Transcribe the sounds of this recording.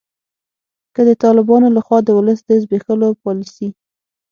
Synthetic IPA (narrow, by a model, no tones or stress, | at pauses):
kəd̪ət̪ɑlɪbɑnolaxwɑd̪əwʊləsd̪əzbexəlopɑlisi